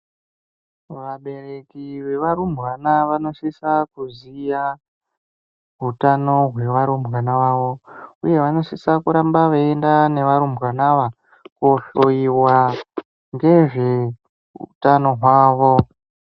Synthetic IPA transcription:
ʋaɓe̞ɾe̞kiʋe̞ʋaɾumbwanaʋano̞sisakuzija | ɦutano̞ɦwe̞ʋaɾumbwanaʋaʋo̞uje̞ʋano̞sisakuɾambaʋeendane̞ʋaɾumbwanaʋa | kuoɬoiwa | ŋɡe̞ʐe̞ | ṵtano̞ɦwaːʋo̞

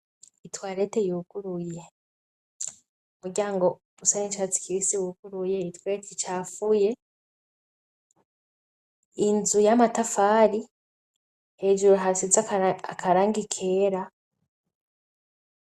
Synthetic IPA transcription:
itwaɾe̞tejuːkuɾuje̞ | umuɾɟaːŋɡo̞ | usanit͡ʃat͡si̥kiɾisiwuɡuɾujeitwetʰit͡ʃaːfuje̞ | inzujamatafaːɾi | he̞ːd͡ʒuɾoɦasizaakaɾaːŋɡikʰeɾa

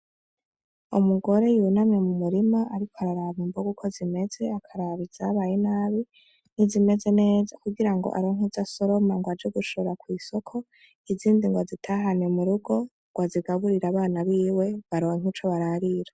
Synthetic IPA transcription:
o̰muɡo̞ɾe̞junamɲe̞mumuɾimaaɾikʰoaɾaɾaβumboɡukʰo̞zime̞ze̞akʰaɾaβizaβajenaːβi | nizime̞ze̞ne̞ːzakuɡiɾaŋɡo̞̰ʔa̰ɾoŋ̥hizaso̞ɾo̞maŋɡwad͡ʒeɡuʃoɾakwiːso̞kʰo̞ | iziːndiŋɡwazitʰaːɦanemuɾuɡo̞ | ɡwaziɡaβuɾiɾaβaːnaβiːwe̞βaɾoːŋ̥it͡ʃo̞βaɾaɾiɾa

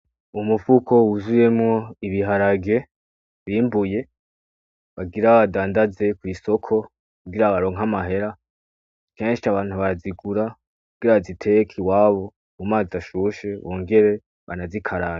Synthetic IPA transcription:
umufuko̞wuzuje̞mŋo̞iβiɦaɾaɡe̞ | βiːmbuje̞ | βaɡiɾaβadaːndaze̞kwiːso̞kʰo̞ | kkubɡiɾaβaɾo̞ːŋɦamaɦe̞ɾa | keːnʃiaβaːn̥huβaɾaziɡuɾa | kkuɡ̥iɾaazitʰekʰiwaːβo̞ | mumaːziaʃuʃe̞βoːŋɡe̞ɾe̞ | βanazikʰaɾa

